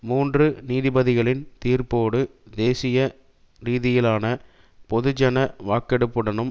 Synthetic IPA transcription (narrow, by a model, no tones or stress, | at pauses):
muːndrɯniːðɪbɐðɪɣɐɭɪnt̪iːrpoːɽɯd̪eːsɪjɐ | ɾiːðɪjɪlaːnɐ | pɔðɯd͡ʒɐnɐʋaːkɛɽɯpːɯɽɐnɯm